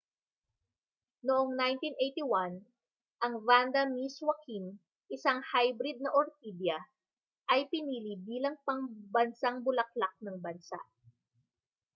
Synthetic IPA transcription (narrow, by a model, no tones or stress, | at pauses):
noʔoŋnajnt̪inʔejt̪iwan | ʔɐŋvand̪ɐmiswɐkin | ʔɪsaŋhajbɾɪd̪̚nɐʔoɾt̪ib̪jɐ | ʔɐjpɪniːlibiːlɐŋpɐŋbɐnsaŋbʊlɐk̚lak̚nɐŋbɐnsa̰ʔ